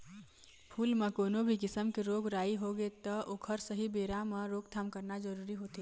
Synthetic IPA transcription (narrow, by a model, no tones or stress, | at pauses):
pʰuːlmekoːnobʱikɪsəmkeɾoɡɾaiɦoɡet̪əʔokʰəɾsəɦibeɾameɾoɡt̪ʰamkəɾnad͡ʒəɾuɾiɦot̪e